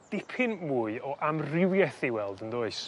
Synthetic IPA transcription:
d̥ɪpʰɪnmuːɨɔʔamrɪwjɛθiwɛlˠdəndoːɨs

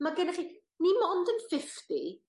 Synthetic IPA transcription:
maɡɪnəχi | nimɔndənfɪfti

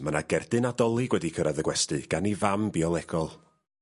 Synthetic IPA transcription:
manaɡɛrdɨnadɔlˠiɡwɛdikʰəɾaðəɡwɛstɨɡ̥anivambiɔlˠɛɡɔlˠ

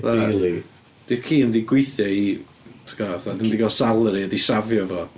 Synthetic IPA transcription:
ðalˠi | d̥ɪkʰiːəndiɡwɪjθjɔi | tʰɡɔθadəndiɡɔsalˠɾiədisavjɔvɔ

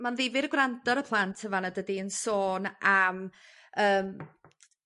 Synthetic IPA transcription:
manðɪvɪɾɡwrandɔɾəpʰlˠantʰəvanadədiənsoːnʔam | əːm

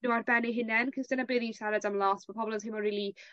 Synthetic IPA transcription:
uarbɛniɦɪnɛnkʰɪsd̥ənabɪðiʃaɾadamlˠɔsmapʰɔbɔlˠəzɦɪmɔriːlˠi

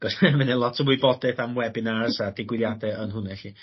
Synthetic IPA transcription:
ɡ̥ɔsɛmɛnɛlˠɔtʰəmwɪbɔdɛθamwɛbɪnaaəsad̥ɪɡwɪljadɛənɦʊnɛɬi

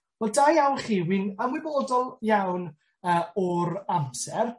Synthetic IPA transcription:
vɛlˠdajawnχiːwinəmwɪboːdɔlˠjawn | əːɔɾamsɛr

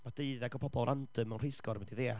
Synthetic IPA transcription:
mad̥eɨðɛɡɔpʰɔbɔlˠʔandəmənr̥ɪskɔɾmɛdiðeːa

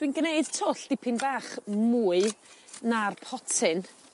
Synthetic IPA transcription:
d̥winɡneɨd̥tʰɔɬd̥ɪpʰɪnbaːχmuːɨnarpʰɔtʰɪn

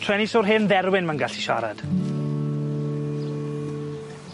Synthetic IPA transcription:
tʰrɛnisʊːrɦɪnðɛɾwɪnmənɡaɬiʃa̰ɾa̰d̥

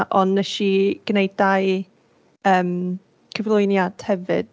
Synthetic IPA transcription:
ʔɔnɛʃiɡ̥nejdaj | əːm | kʰəvlˠʊjnjad̥hɛvɨ̰d̥

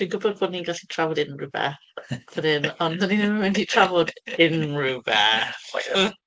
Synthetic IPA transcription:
d̥wiːnɡʊbɔd̚boːdniːnɡaɬi̥tʰravɔdɪnrubɛ̰̥ | ədɪnɔnðəninɛməwɪnditʰravɔdɪnrubɛ

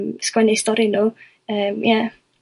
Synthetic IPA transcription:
mskwɛnɪstɔɾinuː | əːmja

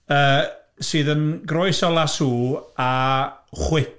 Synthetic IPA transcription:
əː | sɨːðənɡɾoɨsɔlˠasuːaχwɪt

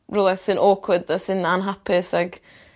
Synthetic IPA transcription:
rulˠɛsɨnʔoːkʰwɪdasɨnanɦapʰɪsaɡ

